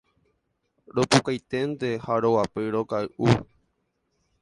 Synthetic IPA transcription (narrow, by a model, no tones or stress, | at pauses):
ɾopukajt̪e̞nd̪ehaɾowapɨɾokaɨʔu